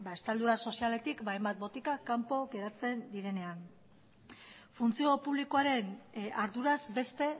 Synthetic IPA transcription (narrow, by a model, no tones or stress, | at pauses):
baest̪ald̪uɾaso̞siale̞t̪ikbajmbat̪̚bo̞t̪ikakampo̞ɣe̞ɾat͡se̞nd̪iɾe̞ne̞an | funt͡sio̞puβliko̞aɾe̞naɾðuɾazbe̞st̪e̞